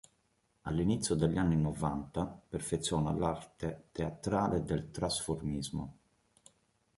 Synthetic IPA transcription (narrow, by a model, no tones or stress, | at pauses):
a̰lːinit̪sːjod̪eʎːanːinovant̪aperfet̪sːjɔːna̰lart̪et̪eat̪ɾaːled̪elt̪ɾasformizmo̰